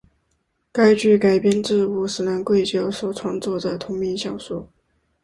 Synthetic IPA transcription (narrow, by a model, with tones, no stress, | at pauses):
ka˥ɪt͡ɕy˥˩ka˨˩ɪpjɛ˥nʈ͡ʂɻ̩˥˧u˥˩sɹ̩˨˩na˧˥nkwe˥˩ɪt͡ɕjɑ˥˩ʊswɔ˨˩ʈ͡ʂʰwɑ˥ŋt͡swɔ˥˩d̪ə˩t̪ʰʊ˧˥ŋmi˧˥nɕjɑ˥˩ŋʂu˥˩